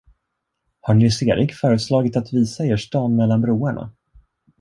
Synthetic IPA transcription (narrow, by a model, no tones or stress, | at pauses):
haɳɪseːɾʔɪkfœːɾəslɑːɡɪt̪at̪viːsaeːʂʈɑːnmɛlːanbɾuːaɳa̰